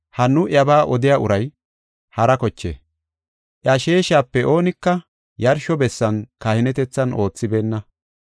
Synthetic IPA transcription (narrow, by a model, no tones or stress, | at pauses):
hɐnːʊʔjɐbaːʔɔd̪ɪjaːʊɾɐj | hɐɾɐkɔt͡ʃːḛː | ʔjɐʃe̞ːʃaːpːɛʔo̞ːnɪkːɐ | jɐɾʃɔbɛsːɐnkɐhɪnɛt̪ɛt͡sːɐno̞ːt͡sːɪbe̞ːnːɐ